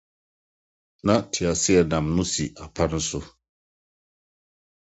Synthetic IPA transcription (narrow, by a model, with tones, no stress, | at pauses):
na˦tʰɪ˨a˨sɪ˦ɛ˨nã˨mnʊ̃˦si˨a˨pʰa˦ɾn̩˦sʊ˦